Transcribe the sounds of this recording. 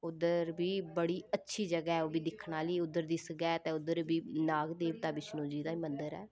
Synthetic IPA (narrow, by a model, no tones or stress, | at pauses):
ʊd̪əɾbiːbəɽiːətːʃʰiːd͡ʒəɡɛːɦɛːoːbiːd̪ɪkʰnaːliːʊd̪ːəɾd̪iːsəɡɛːt̪ẽːʊd̪əɾbiːnaːɡd̪eːʋt̪aːbɪt͡ʃnũːd͡ʒiːd̪aːiːmənd̪əɾɛː